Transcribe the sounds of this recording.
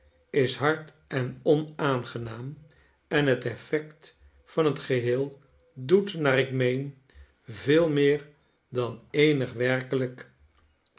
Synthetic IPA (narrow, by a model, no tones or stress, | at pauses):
ɪsɦɑɹt | ɛnɔnaːnχənaːm | ɛnɦətɛfɛkt | fɑnɦətχəɦɪːlˠ | dutnaːɾɪkmejn | vɪːlˠmɪːɹ | dɑnejnəχʋɛɹkələk